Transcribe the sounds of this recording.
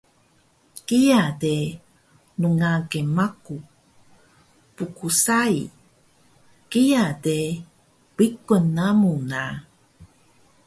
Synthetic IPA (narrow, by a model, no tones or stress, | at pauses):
kijade | nuŋaɡemaku | pukusai | kijade | wikonːamuna